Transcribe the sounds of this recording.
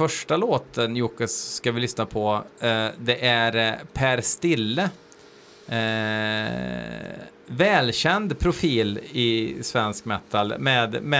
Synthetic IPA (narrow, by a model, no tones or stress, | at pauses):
fœʂʈaloːt̪ənjuːkasːkavɪlʏsnapʰɔ | d̪ɛʔæɾpʰæɾst̪ɪlːə | vɛːlɕɛnd̪pʰɾʊfiːlɪsvɛnskmɛt̪ːalmɛːd̪m